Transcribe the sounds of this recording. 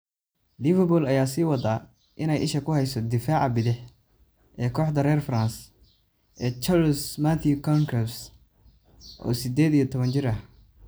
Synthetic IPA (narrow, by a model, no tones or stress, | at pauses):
lɪvɐrbɔlɐjaːsiːwɐðaː | ʔɪnɛjʔɪʃɐkʰʊhɛjsɔd̪ɪfaːʕɑbɪðɪħ | ʔɛːkʰɔːħd̪ɐrɛːrfraːns | ʔɛːt͡ʃɐɾsmaθʰjukʰɔŋɡɾɛs | ʔɔ̰ːsɪd̪ɛːd̪ijɔt̪ʰɔβɐnt͡ʃɪrɐh